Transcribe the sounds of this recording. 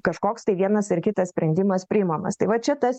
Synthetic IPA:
kɐʃkoːkst̪ɐɪʋʲiɛnɐsɪrkʲɪt̪ɐssʲpʲɾʲɛnʲd̪ʲɪmɐspʲɾʲɪɪmɐmɐ̰st̪ɐɪʋɐt͡ʃʲɛt̪ɐs

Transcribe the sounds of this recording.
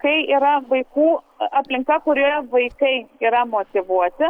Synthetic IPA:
kɐɪiːɾɐʋɐɪkuː | ɐpʲlʲɪŋkɐkʊɾʲoʋɐɪkɐɪiːɾɐmoːt̪ʲɪʋuɔt̪ʲɪ

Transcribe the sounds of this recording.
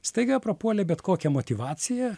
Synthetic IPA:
st̪ɐɪɡɐpɾɐpuɔlʲɛbʲɛt̪koːkʲɛmot̪ʲiʋɑːt̪sʲɪjɛ

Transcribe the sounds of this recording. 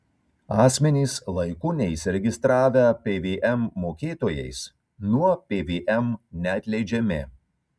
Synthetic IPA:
ɑːsʲmʲɛnʲiːslˠɐɪkʊnʲɛisʲɪɾʲɛɡʲɪst̪ɾɑːʋʲɛpʲeːʋʲeːʔɛmːoːkʲeːt̪oːjɛ̰ɪs | nuɔpʲeːʋʲeːʔɛmnʲɛɐt̪ʲlʲɛɪd͡ʒʲɛmʲɪ̰

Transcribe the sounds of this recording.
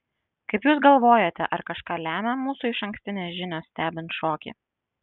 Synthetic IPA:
kɐɪpjuːs̬ɡɐlˠʋoːjot̪ʲɛ̰ʔɐɾkɐʃkɑːlʲæːmʲɛmuːsuɪʃɐ̃ŋksʲt̪ʲɪnʲeːsʒʲɪnʲoːssʲt̪ʲæːbʲɪnt̪ʃoːkʲḭː

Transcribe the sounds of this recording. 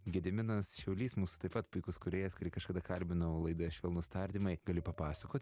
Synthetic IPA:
ɡʲɛd̪ʲɪmʲɪnɐsʃʲɛʊlʲiːsmuːsʊ̥t̪ɐɪpɐt̪pʊɪkʊskʊɾʲeːjɛskʊɾʲiːkɐʃkɐd̪ɐkɐlʲbʲɪnɐʋolˠɐɪd̪ɐɐʃʋʲeːlˠnʊst̪ɑːrʲd̪ʲimɐɪɡɐlʲɪpɐpɑːsɐkoːt̪ʲ

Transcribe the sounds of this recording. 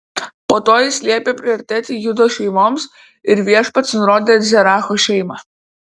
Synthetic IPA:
poːt̪oːjɪsʲlʲiɛpʲeːpʲɾʲɪɔɾʲɪt̪ʲæːt̪ʲiːjʊd̪oːʃʲɛɪmoːms | ɪɾʋʲiɛʃpɐt̪snʊɾoːd̪ʲeːzʲɛɾɑːxoʃʲɛɪmɑ

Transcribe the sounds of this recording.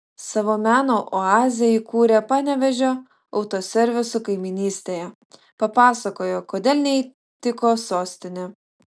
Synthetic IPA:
sɑːʋoːmʲæːnoːʔoɑːzʲɪjɛikuːɾʲepɑːnʲɛʋʲɛʒʲoː | ɒʊt̪oːsʲɛɾʲʋʲɪsʊkɐɪmʲɪnʲiːsʲt̪ʲeːjɛ | pɐpɑːsɐkoːjoːkoːd̪ʲeːlʲnʲɛ | t̪ʲɪkoːsoːsʲt̪ʲɪnʲe

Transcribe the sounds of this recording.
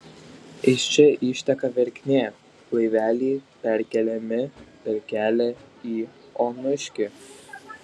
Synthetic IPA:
ɪʃt͡ʃʲɛʔiːʃʲt̪ʲɛkɑʋʲɛɾʲkʲnʲeː | lˠɐɪʋʲæːlʲiːpʲɛɾʲkʲɛlʲɛmʲɪpʲɛɾʲkʲæːlʲɛiːɔnʊʃʲkʲɪ

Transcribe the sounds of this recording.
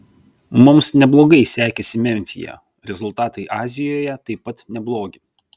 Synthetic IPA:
mʊmsnʲɛblˠoːɡɐɪsʲæːkʲɛsʲɪmʲɛmʲfʲɪ̰jɛ̰ | ɾʲɛzʊlˠt̪ɑːt̪ɐɪʔɑːzʲɪjoːjɛt̪ɐɪpːɐt̪nʲɛblˠoːɡʲɪ

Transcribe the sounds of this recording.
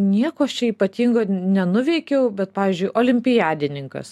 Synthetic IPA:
nʲiɛkoːɐʃt͡ʃʲɛiːpɐt̪ʲiːŋɡoːnʲɛnʊʋʲɛɪkʲɛʊbʲɛt̪̚pɑːʋʲiːzʲd͡ʒʲʊɪʔoːlʲɪmʲpʲɪjɑːd̪ʲɪnʲɪŋkɐ̰s

